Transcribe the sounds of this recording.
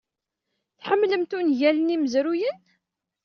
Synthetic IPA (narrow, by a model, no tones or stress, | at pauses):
θħəmːləmt̪unʝæləniməzɾujən